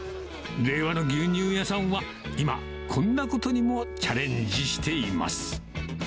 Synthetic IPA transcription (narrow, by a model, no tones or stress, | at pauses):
ɾe̞ːβano̞ɡʲɨːɲ̟ɨːjasãɰ̃βa | ima̰ | kʰõ̞nːako̞t̪o̞ɲ̟imo̞t͡ɕaɾẽ̞ɲ̟d͡ʑiɕi̥t̪e̞ima̰sɨ̥